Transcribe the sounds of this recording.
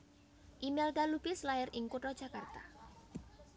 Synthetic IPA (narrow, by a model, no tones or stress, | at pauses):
ʔimɛld̪alubɪslaɪɾɪŋkuʈɔd̥ʒ̥a̤kart̪a